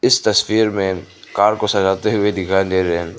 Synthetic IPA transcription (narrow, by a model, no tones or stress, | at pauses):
ɪst̪ɐswiːɾmẽkaːɾkosɐd͡ʒaːt̪eɦʊed̪ɪkʰaːdeːɾɦɛn